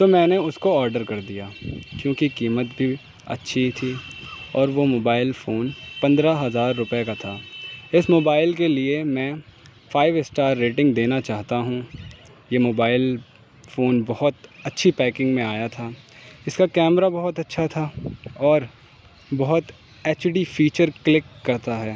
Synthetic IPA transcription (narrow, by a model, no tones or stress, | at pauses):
t̪oːmɛ̃ːneʊskoɔːɾɖəɾkɐɾd̪ijaːkjõːkikiːmət̪bʱi | ɐ̰tːʃʰit̪ʰiɔːɾʋomoːbaːɪlfoːnpɐ̃nd̪ɾaɦɐzaːɾːʊpjekat̪ʰaːɪsmoːbaːɪlkeliemɛ̃ː | fʰaːɪʋɪsʈaːɾːeːʈɪ̃ŋɡd̪eːnat͡ʃaːɦt̪aɦũ | jemoːbaːɪl | foːnbɐhʊt̪ɐtːʃʰipɛːkɪ̃ŋɡmẽaːjat̪ʰaːɪskakɛːmɾabɐɦʊt̪ɐtːʃʰat̪ʰaɔːɾ | bɐɦʊt̪ | eːt͡ʃɖifiːt͡ʃəɾklɪkːɐɾt̪aɦɛː